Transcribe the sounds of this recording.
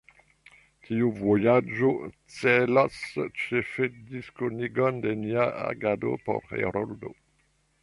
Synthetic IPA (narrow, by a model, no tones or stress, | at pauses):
kʰiuvojad͡ʒo | t͡selast͡ʃefed̪iskoniɡɔnd̪eniaa̰ɡad̪o̰po̰ɾḛɾɔld̪o̰